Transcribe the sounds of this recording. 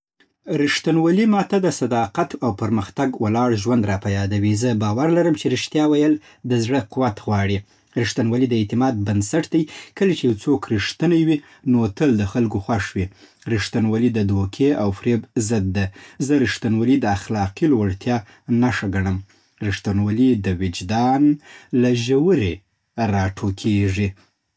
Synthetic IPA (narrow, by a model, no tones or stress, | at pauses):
ɾɪʂt̪anwalimɑt̪ad̪əsad̪ɑqat̪awpəɾməxt̪aɡwalɑɽʒwand̪ɾɑpajɑd̪awizəbɑwaɾlaɾəmt͡ʃeɾɪʃt̪jɑwajəl | d̪əzɽəqʊwat̪ɣwɑɽi | ɾɪʂt̪anwalid̪əet̪ɪmɑd̪̚bansaʈd̪ajkəlat͡ʃejwt͡sokɾiʂt̪ənawi | not̪əld̪əxalɡoxwaʂwi | ɾɪʂt̪anwalid̪əd̪okʰeawfɾebzəd̪ːazəɾɪʂt̪anwalid̪əaxlɑqilwaɽt̪jɑ | naʂaɡaɳəm | ɾɪʂt̪anwalid̪əwɪd͡ʒd̪ɑnlaʒawəɾe | ɾɑʈʰokʰeʐi